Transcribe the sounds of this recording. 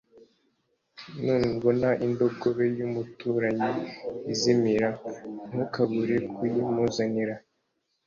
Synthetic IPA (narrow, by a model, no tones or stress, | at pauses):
miːŋɡonaʔindo̞ɡoβejumutuːɾaɲiizimiɾan̥hukaβuɾekujimuzaniɾa